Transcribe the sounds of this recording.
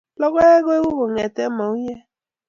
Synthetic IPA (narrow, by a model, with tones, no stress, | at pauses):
lɔ˦ɡʷɔ˦e˦ɡo˦e˦u˦ɦu˨ŋe˨te˦ma˨u˦ɲe˦